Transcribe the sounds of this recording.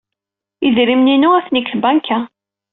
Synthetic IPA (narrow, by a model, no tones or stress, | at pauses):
iðɾimninʊæθnikːθbænkʰːæ